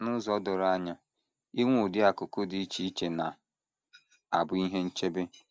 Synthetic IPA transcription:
nʊ˦zɔ˦dʊ˨ɾa˦ɲa˦ | i˦ŋʷʊ˨dɪ˦a˨kʊ˨kʊ˦dɪ˦i˦t͡ʃi˦i˦t͡ʃe˨na˨ | a˨bʊ˦i˦ɦe˦n̩˦t͡ʃe˦be˦

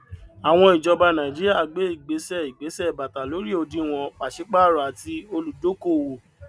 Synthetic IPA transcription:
a˨w̃ɔ̃˧˦i˨d͡ʒɔ˧ba˧nã˨d͡ʒi˦ɾi˦a˦˨ɡ͡be˨˦i˦˨ɡ͡be˨˦sɛ˦i˨ɡ͡be˨˦sɛ˦˨ba˨ta˨lo˨˦ɾi˦o˧dĩ˦w̃ɔ̃˧k͡pa˨ʃi˨˦k͡pa˦˨ɾa˨a˨ti˧o˧lu˨do˨˦ko˦˨wo˨

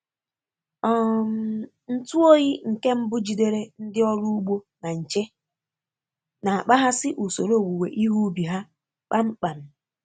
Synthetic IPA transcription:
ɔ˦˨m˦ | n̩˦tu˦o˦ɣi˦ŋ̩˨ke˦m̩˦bʊ˦d͡ʒi˨de˦ɾe˦n̩˦dɪ˦ɔ˦ɾu˦u˦ɡ͡bo˦ | na˨n̩˨t͡ʃe˦ | na˨a˨k͡pa˦ɦa˦sɪ˦ʔu˨so˨ɾo˦˨wu˨wḛ˨ʔi˦ɦu˦bi˨ɦa˦ | k͡pa˦ŋ͡m̩˦k͡pa˨n̩˦

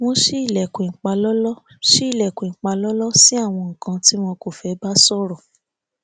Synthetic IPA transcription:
w̃ɔ̃˧ʃe˦i˦˨lɛ˨ku˨e˨ŋ͡m̩˨k͡pa˧lɔ˦lɔ˦ | ʃi˦i˦˨lɛ˨ku˨i˨ŋ͡m̩˨k͡pa˧lɔ˦lɔ˦si˦a˦˨w̃ɔ̃˧ŋ̩˨kã˧ti˦mɔ̃˧ko˨fɛ˨˦ba˦sɔ˦˨ɾɔ˨

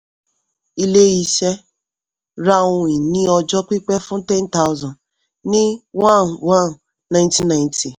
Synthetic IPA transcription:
i˦le˦ɣi˨ʃe˦ | ɾa˦ʊ˦i˨ni˦ɔ˨d͡ʒɔ˦kʷi˦k͡pe˦fʊ˦te˦n̩˦ta˦ʊ˦zɔ˨n | nɪ˦wa˦n˨wa˦nː˨ | a˦˨ɪ̃nti˦na˨ɪ̃˨ntʰi˨

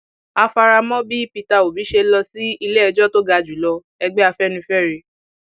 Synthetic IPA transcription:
a˧fa˧ɾa˧mɔ̃˦bi˦pi˧ta˧o˨bi˨˦ʃe˧lɔ˧si˦i˧le˦ɛ˧d͡ʒɔ˦to˦ɡa˧˨d͡ʒu˨˦lɔ˧ | ɛ˧ɡ͡bɛ˦a˧fɛ˦nĩ˧fɛ˦˨ɾi˧

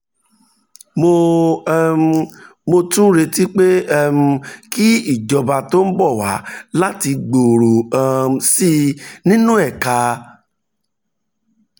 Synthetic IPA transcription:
mo˧˦˧ | mo˧tũ˦ɾe˧ti˦k͡pe˦ɛ˦m˧ki˦i˦˨d͡ʒɔ˧ba˧to˦n̩˦bɔ˦˨wa˨˦la˦ti˧ɡ͡bo˨ɾo˨a˦˨si˦nĩ˦nũ˦ɛ˦˨ka˧

